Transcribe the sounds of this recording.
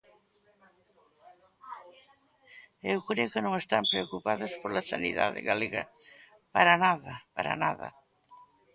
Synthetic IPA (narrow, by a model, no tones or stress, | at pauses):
ewkɾeʊkɪnõŋest̪ampɾeokupaðɐspoɾlasaniða̰ðɪ̰ɣaleɣɐ̰ | paɾɐnaðɐpaɾa̰naðɐ̰